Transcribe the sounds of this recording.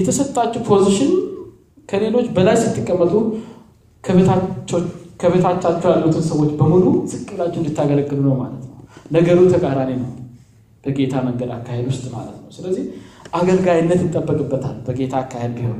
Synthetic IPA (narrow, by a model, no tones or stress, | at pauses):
jɛt̪ʰəsət̪ʼːat͡ʃːɛpʰo̞ziʃɪn | kʰəle̞lo̞t͡ʃːbəlajsɨt̪ʰːɨkʼːəmːət̪ʼu | a | kʰəβet̪ʰat͡ʃːat͡ʃːɛwjalːuut̪ʰɨnsəwo̞t͡ʃːbəmulusɨkʼːɨlat͡ʃːɪndɨt̪ːaɡələɡːɨlunəwma̰lət̪nəwnəɡəɾut̪ʰəkʼaɾanenə̰w | b̥əɡe̞t̪ʰaməŋɡəd̪a̰kːahed̪wʊst̪ʼma̰lə̰t̪nəwsɨləzːihʔaɡəlɡajɪnːət̪ɨt̪ʼːəbːəkʼɨbːət̪ʰa̰lːbəɡe̞t̪ʰaːkːahed̪bihow